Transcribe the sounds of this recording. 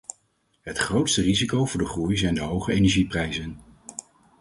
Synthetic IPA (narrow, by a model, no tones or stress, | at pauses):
ɦətχrowtstərizikowvʊːɹdəχrujzɛjndəɦowχəejnɛɹʒiprɛjzən